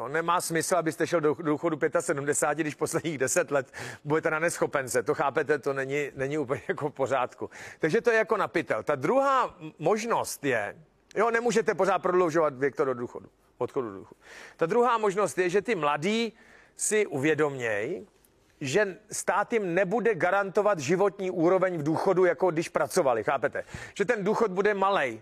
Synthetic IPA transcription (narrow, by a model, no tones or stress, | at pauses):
onɛmaːsmɪsl̩abɪst̪ɛʃɛldododuːxodupjɛt̪asɛdumdɛsaːt̪ɪɡdɪʃpo̞slɛdɲiːɣdɛsɛt̪lɛt̪budɛt̪ɛnanɛsxo̞pɛnt͡sɛt̪o̞xaːpɛt̪ɛt̪o̞nɛɲɪnɛɲɪuːpəlɲɛjakofpo̞raːt̪kut̪aɡʒɛt̪ojɛjako̞napɪt̪ɛlt̪ad̪ɾuɦaːmo̞ʒno̞st̪jɛ | jonɛmuːʒɛt̪ɛpo̞zaːt̪̚pɾodlowʒo̞vat̪vjɛk̚t̪ododuːxodu | vot̪xodudoṵːxot̪t̪ad̪ɾuɦaːmo̞ʒno̞st̪jɛʒɛt̪ɪmladiː | sɪʔuvjɛdo̞mɲɛj | ʒɛst̪aːt̪jɪmnɛbudɛɡaɾant̪o̞vat̪ʒɪvo̞t̪ɲiːʔuːɾo̞vɛɲvduːxo̞dujako̞dɪʃpɾat͡so̞valɪxaːpɛt̪ɛʒ̥ɛt̪ɛnduːxot̪̚budɛmalɛj